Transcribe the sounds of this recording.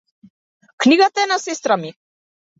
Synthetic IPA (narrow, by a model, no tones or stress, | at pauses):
kniɡat̪aɛnasɛst̪ɾami